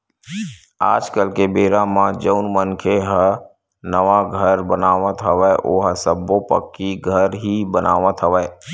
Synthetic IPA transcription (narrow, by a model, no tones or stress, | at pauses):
a̰ːd͡ʒkəlkebeːɾãmãd͡ʒəʊnmənkʰeɦə | nəʋaɡʱəɾbənaːʋət̪ɦəʋɛʔoːɦəsəbopə̰kːiɡʱəɾɦibəna̰ːʋət̪ɦəʋɛː